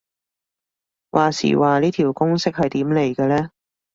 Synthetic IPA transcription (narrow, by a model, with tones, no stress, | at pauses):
wʔaː˨sḭː˨˩waː˨liː˥t̪ʰiː˨˩wkʊ˥ŋsɪ˥k̚hɐ˨jt̪iː˨˥mle˨˩jkɐ˧lɛː˥